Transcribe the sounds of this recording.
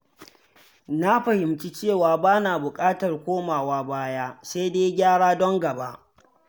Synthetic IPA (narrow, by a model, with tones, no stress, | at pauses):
na˦ɸɐ˨hɪ˨mt͡ʃi˦t͡ʃeː˦˨waː˨baː˦naː˨bʊ˨kʼaː˦tɐ˨rkʷoː˦maː˨waː˦baː˦jaː˦se˦jdeː˦ɡʲaː˦ɽaː˦dɔ˦ŋɡɐ˨ba˦ʔ